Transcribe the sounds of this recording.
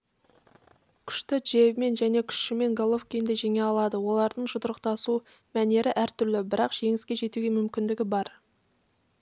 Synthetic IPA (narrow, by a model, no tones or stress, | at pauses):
kʲʰʏ̥ʃt̪ɪdʒ̥e̞vme̞nʒæne̞kʲʰʏ̥ʃʃɪme̞ŋɡolˠofkʲijnd̪eʒe̞ŋe̞ɑlˠɑd̪əwo̞lˠɑɾd̪əɴʒʊt̪əɾəq̚t̪ɑsu | mæne̞ɾɪʔæɾt̪ʏɾlɪbɪɾɑqʒ̥e̞ŋɪskʲe̞ʒe̞t̪uɡʲe̞mʏmkʲɪnd̪ɪɡʲɪbɑɾ